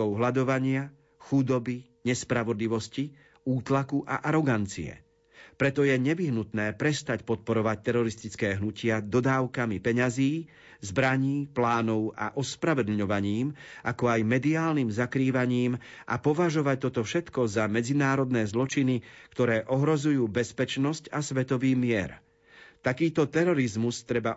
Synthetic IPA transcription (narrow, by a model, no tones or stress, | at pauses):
ɔʊɦlad̪ɔʋaɲɪa | xud̪ɔbi | ɲɛspɾaʋɔd̪liʋɔsci | uːt̪lakuʔa̰ʔaɾɔɡant͡siɛ̰ | pɾɛt̪ɔjɛɲɛʋiɦnut̪nɛːpɾɛst̪acpɔt̪̚pɔɾɔʋac̚t̪ɛɾɔɾist̪it͡skɛːɦnucɪad̪ɔd̪aːʊkamipɛɲaziː | zbɾaɲiːplaːnɔʊa̰ʔɔspɾaʋɛd̪l̩ɲɔʋaɲiːmʔakɔajmɛd̪iaːlnimzakɾiːʋaɲiːmʔa̰pɔʋaʒɔʋac̚t̪ɔt̪ɔfʃɛt̪kɔzamɛd͡zinaːɾɔd̪nɛːzlɔt͡ʃinikt̪ɔɾɛːʔɔɦɾɔzujuːbɛspɛt͡ʃnɔscasʋɛt̪ɔʋiːmɪɛɾ | t̪akiːt̪ɔt̪ɛɾɔɾizmust̪ɾɛba